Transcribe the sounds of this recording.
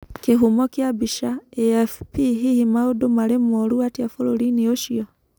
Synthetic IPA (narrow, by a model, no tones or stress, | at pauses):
keɦumɔkjabiʃaɛɛfpiɦihimaodomaɾemɔɾuatjafoɾoɾinioʃiɔ